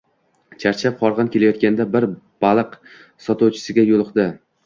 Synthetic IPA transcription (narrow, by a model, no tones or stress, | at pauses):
t͡ʃʰaɾt͡ʃʰap̚qʰɒɾʁɑnkʲʰe̞lajɒt̪̚kʲand̪abɪɾ | b̥alˠɨq | sɒt̪ɒwt͡ʃʰɪ̥sɪɡʲajolˠɨqd̪ɪ